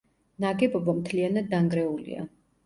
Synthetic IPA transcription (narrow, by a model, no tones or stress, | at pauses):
naɡɛbɔbamt̪ʰlianad̪ːaŋɡɾɛulḭa̰